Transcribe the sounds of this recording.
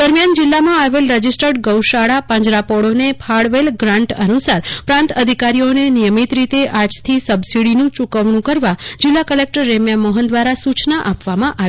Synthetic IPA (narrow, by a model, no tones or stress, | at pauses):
d̪əɾmjand͡ʒilːamãaʋelɾəd͡ʒisʈəɖɡəwʃaɽapə̃ɲd͡ʒɾapɔɽonepʰaɽʋelɡɾãɳʈənusaɾpɾãnt̪əd̪ʱikaɾionenijəmit̪ɾit̪eʔad͡ʒt̪ʰisəbsiɽinũt͡ʃukəʋɳũkəɾʋad͡ʒɪlːakəlek̚ʈəɾːemjaməɦənd̪ʋaɾasut͡ʃnaʔapʋamãʔaʋ